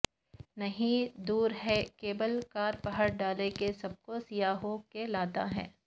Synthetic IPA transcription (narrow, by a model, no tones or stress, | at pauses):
nɐɦĩd̪uːɾɦɛkeːbəlkaːɾpɐɦəɾɖaːlekesɐb̚kosijaːɦokelaːt̪a̰ɦɛ̰̃ː